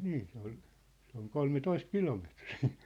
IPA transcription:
niː se ol se oŋ kolmetoist kilometriː

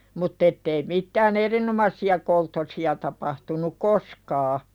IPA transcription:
mutː etːei mitːæːn erinomɑsːiɑ koltːosiɑ tɑpɑhtunuk koskɑː

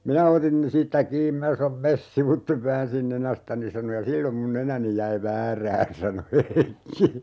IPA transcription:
minæ otin siːtːæ kiːm minæ sɑnom mes siʋutːeʋ ʋæːnsin nenæstæni sɑno jɑ silːom mun nenæni jæi ʋæːræːn sɑno heikːi

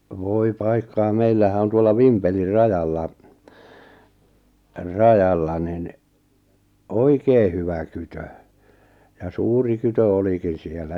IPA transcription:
ʋoi pɑikːɑː meilːæhæ on tuolːɑ ʋimpelir rɑjɑlːɑ rɑjɑlːɑ nin oikeː hyʋæ kytø jɑ suːri kytø olikin̞ sielːæ

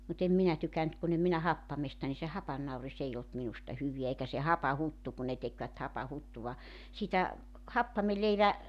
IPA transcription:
mut em minæ tykænt kun em minæ hɑpːɑmestɑ ni se hɑpɑnːɑuris ei olt minustɑ hyʋiæ eikæ se hɑpɑhutːu kun̆ ne tekʋæt hɑpɑhutːuʋɑ siːtæ hɑpːɑmeleiʋæ

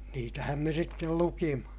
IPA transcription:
niːtæhæm me sitːel lukimɑ

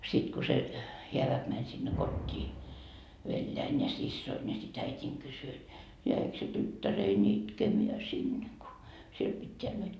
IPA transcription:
sit ko se heæʋæk mænʲ sinːe kotʲːiː ʋeljæin jɑ sisːoin jɑ sit æitʲiːŋ kysy et jæik se tytːærein itkemeæ sinːe ko siel pitːeæ nyt

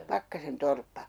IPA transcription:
pɑkːɑsen torpːɑ

